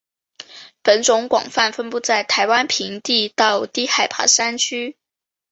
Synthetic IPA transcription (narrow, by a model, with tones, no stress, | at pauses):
pə˨˩nʈ͡ʂʊ˧˥ŋkwɑ̰˨˩ŋfa˥˩nfə˥npu˥˧t͡sa˥˩ɪt̪ʰa˧˥ɪwa˥npʰi˧˥ŋt̪i˥˧t̪ɑ˥˩ʊt̪i˥˩xa˨˩ɪpʰa̰˧˥sa˥nt͡ɕʰy˥